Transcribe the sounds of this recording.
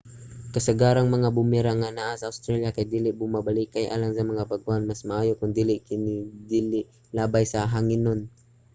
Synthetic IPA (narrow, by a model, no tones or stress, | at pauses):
kasaɡaːɾaŋmɐŋabʊmiɾaŋanaʔasɐʔawst̪ɾaljakajd̪iːlɪʔbʊmabalikajʔa̰ːlaŋsamɐŋapaɡuʔanmasmaʔaːjokʊnd̪iːlɪʔkɪnɪd̪ilɪʔ | laːbajsaɦaŋɪnon